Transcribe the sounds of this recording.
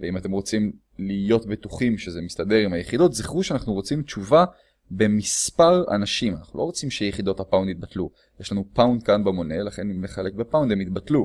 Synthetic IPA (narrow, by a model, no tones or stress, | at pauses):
veimat̪e̞mʁo̞t͡sim | lijo̞tbituχimʃezemist̪ade̞ʁimhajeχido̞tziχʁuʃeanaχnuʁo̞t͡simt͡ʃuva | be̞mispaʁa̰naʃimana̰χnulʔo̞ʁot͡simʃejeχid̪o̞thapawnd̪it̚batlu | jeʃlanupawnd̚kanbemo̞ne̞laχe̞nimːeχale̞k̚bepawnd̪emit̪batlu